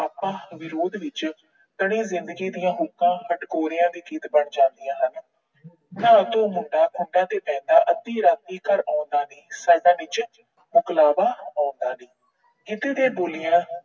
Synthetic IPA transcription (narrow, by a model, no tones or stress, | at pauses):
aːpãːʋɪɾoːd̪ʋɪt͡ʃ | t̪əɽ̃ĩːzɪnd̪əɡiːd̪ijãːɦʊkːãːhəʈkoːɾjãːd̪iːkiːt̪bəɳd͡ʒãːnd̪ijãːɦən | naːt̪õːmʊɳɖaːkʰʊɳɖãːt̪eːpɛ̃ːnd̪aːʔət̪ːiːɾãːt̪iːkəɾaːʊnd̪aːnĩːsaːd̪ãːnɪt͡ʃ | mʊklaːbaːaːnd̪aːnĩː | kɪt̪eːd̪ẽːboːlɪjãː